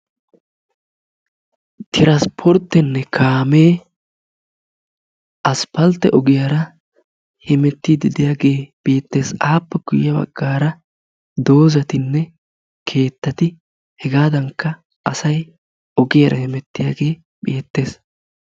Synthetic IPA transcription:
t̪ɪɾɐspʰɔɾt̪ːɛnːɛkʰaːmeː | ʔɐspɐlt̪ːɛʔɔɡɪjaɾɐ | hɛmɛt̪ːid̪ɪd̪ɪjaːɡe̞ːb̥eːt̪ːe̞ːsaːpːɛɡ̥ʊjɪjɐbɐ̰ɡ̥ːaːɾɐ | d̪o̞ːzɐt̪ɪnːɛ | kʰe̞ːt̪ːɐt̪ɪ | hɛɡaːd̪ɐŋkːɐ | ɐsɐj | ɔɡɪjɐɾɐhɪmɛt̪ːɪjaːɡe̞ː | beːt̪ːe̞ːs

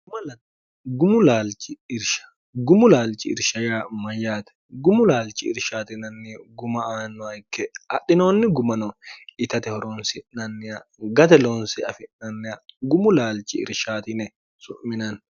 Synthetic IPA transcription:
ɡʊmɐlɐ | ɡʊmʊlaːlt͡ʃʼɪɪɾʃɐ̥ | ɡʊmʊlaːlt͡ʃʼɪɪ̰ɾʃɐjaːmɐjːaːt̪ɛ̥ɡʊmʊlaːlt͡ʃʼɪɪ̰ɾʃaːt̪ɪnɐnːɪɡʊmɐaːnːɔɐɪkːɛɐɗɪnoːnːɪɡʊmɐnɔɪt̪ɐt̪ɛhɔɾonsɪnɐnːɪjɐɡɐt̪ɛlonsɪɐfɪnɐnːɪjɐɡʊmʊlaːlt͡ʃʼɪ̰ɪ̰ɾʃaːt̪ɪnɛ | sʊʔmːɪnɐn

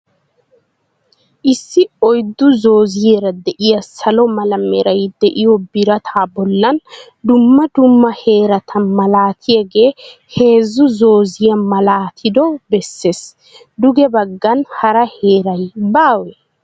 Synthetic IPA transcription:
ʔɪsːɪɔjd̪ːʊzo̞ːzɪjeɾɐd̪ɛʔɪjɐsɐlɔmɐlɐmːɛɾɐjd̪ɛʔɪjɔbɪɾɐt̪ʰaːbɔlːɐn | d̪ʊmːɐd̪ʊmːɐhe̞ːɾɐt̪ʰɐnmɐlaːt̪ʰɪjɐɡe̞ːhe̞ːzʊzo̞ːzɪjɐmɐlaːt̪ʰɪd̪ɔbɛsːes | d̪ʊɡɛbɐɡːɐnhɐɾɐhe̞ːɾɐjbaːwɛ

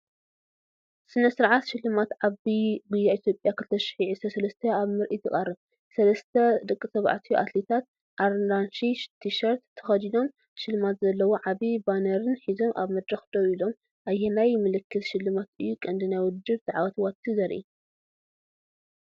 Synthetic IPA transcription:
sɨnɐsɨɾʕat̪ʃɪlːɨmat̪ʕaβiɡujːaʔit̪ʰjo̞pʼjakʰɨlt̪ʰɐʃɪ̥ħiʕisɐsɐlɐst̪ʰɐaβmɨɾʔit̪ʰɨkʼarɨβ | sɐlɐst̪ʰɐd̪ɨkʼːɨsɐβʕa̰t̪ʰijuʔa̰t̪let̪ʰat̪̚ | ʔaɾnd̪anʃit̪ʰiʃɐɾt̪ːʰɐ̥xɐd̪id̪o̞m | ʃɨlːɨmat̪zɐlːɐwoʕaβibanɐɾɨnħizo̞mʔa̰βmɐd̪ɾɐxd̪owilo̞m | ʔajːɛnajmɨlɨkʰːɨt̪ʃɪlːɨmat̪ɨjːukʼɨnd̪ɨnajwʊd̪ɨɾt̪ʰɨʕawɐt̪ʰwat̪ʰːizɐɾʔḭ

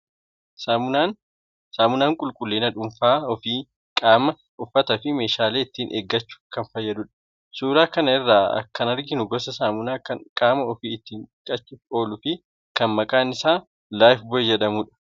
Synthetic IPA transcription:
saʊan | saːmʊnaːŋkʼʊlkʼʊlːeːnɐᶑʊmfaːɔfiː | kʼaːmɐ | ʔʊfːɐt̪ɐfɪme̞ːʃaːleːɪt̪ːiːnʔḛːɡːɐt͡ʃːʊ̥kɐnfɐjːɐd̪ʊᶑɐ̥ | suːɾaːkɐnɐɪrːaːɐ̰kːɐnɐɾɡɪnʊɡɔsɐsaːmʊnaːkɐnkʼaːmɐɔfiːɪt̪ːiːŋkʼɐt͡ʃːʊfo̞ːlʊfɪ | kɐnmɐkʼaːnɪsaː | laːjfbɔɛd͡ʒɛᶑɐmuːᶑɐ̥

